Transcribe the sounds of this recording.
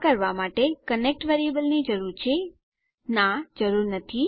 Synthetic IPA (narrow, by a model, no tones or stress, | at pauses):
kəɾʋamaʈekənek̚ʈʋeɾiebəlnid͡ʒəɾuɾt͡ʃʰe | nad͡ʒəɾuɾnət̪ʰi